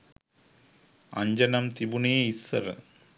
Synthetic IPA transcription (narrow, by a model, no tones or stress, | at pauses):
ɐ̰ɲd͡ʑɐnɐmt̪ibuɳeːisːɐ̰ɾɨ̰